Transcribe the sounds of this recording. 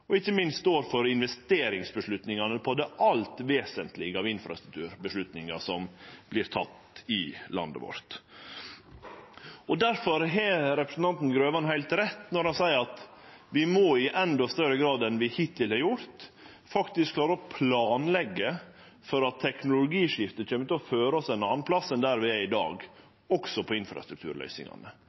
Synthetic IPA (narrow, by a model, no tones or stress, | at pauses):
ɔɪçːəmɪnst̪t̪oːɾfɔɾɪnʋɛst̪eːɾɪŋsbəʂɭʉt̪nɪŋɑnəpʰɔd̪ɛʔɑlt̪ʋeːsənt̪lɪɡəɑʋɪnfɾɑ̰st̪ɾʉk̚t̪ʰʉːɾbəʂlʉt̪nɪŋɑ̰sɔmb̥lɪɾt̪ʰɑ̰t̪ | ɪlɑ̰nd̪ə̰ʋɔ̰ɾt̪ | ɔd̪æɾfɔɾɦɛɾɛpɾəsn̩ɑnt̪n̩ɡɾøːʋɑnhæɪlt̪ɾɛt̪ːnɔɾhɑnsæɪəɾɑt̪ʋɪmɔɪʔɛnd̪ɔst̪œɾəɡɾɑːd̪ɛnʋɪhɪt̪ːɪlhɑɾjʊɾt̪ | fɑkt̪ɪskʰlɑːɾəɾɔpʰlɑːnlɛɡːə | fɔɾɑt̪ʰːɛknʊlʊɡiːʂɪft̪əçʰøːmət̪ɛɔføːɾəɔsɛnɑːnpʰlɑsənd̪æɾʋɪæɪd̪ɑ̰ːɡ | ɔksɔpʰɔɪnfɾɑ̰st̪ɾʉkt̪ʰʉ̰ːɾlœ̰ʏsɪ̰ŋɑ̰nə